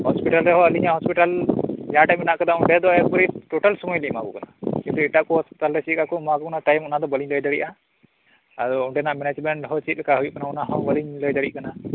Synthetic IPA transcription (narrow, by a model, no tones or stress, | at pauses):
hɔspiʈalɾɛɦɔəliɲahɔspiʈaljaʈajmɛnaʔkad̪auɳɖɛd̪ɔɛk̚bɔɾiʈɔʈalsumɔjlimakṵkanakĩnt̪uɛʈaʔkɔhɔspiʈalɾɛt͡ʃikakɔmɔakɔkɔnaʈajmɔnad̪ɔbəliɲləjd̪aɽiʔa | ad̪ɔuɳɖɛnaʔmɛnad͡ʒmɛɳʈɦɔt͡ʃit̪̚lɛkaɦujuʔkanaɔnaɦɔbəliɲləjd̪aɽiʔkana